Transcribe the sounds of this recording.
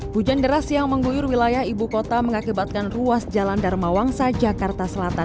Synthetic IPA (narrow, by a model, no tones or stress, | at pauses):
bud͡ʒandəɾasjaŋməŋɡujʊrwilajahibukot̪aməŋakibat̪̚kanruasd͡ʒalandarmawaŋsad͡ʒakart̪asəlat̪an